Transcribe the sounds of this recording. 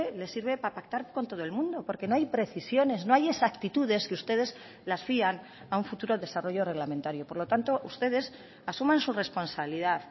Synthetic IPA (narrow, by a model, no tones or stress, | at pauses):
ele̞siɾβe̞papak̚t̪aɾko̞nt̪o̞ð̞oelmũnd̪o̞po̞ɾke̞no̞ajpɾe̞θisjo̞ne̞zno̞aje̞sakt̪it̪uð̞e̞skeust̪e̞ð̞e̞s | lasfian | auɱfut̪uɾo̞ðe̞saro̞ʝo̞re̞ɣlament̪aɾjopo̞ɾlo̞t̪ant̪o̞ʔust̪e̞ð̞e̞s | asumãnsure̞spo̞nsaβiliðaθ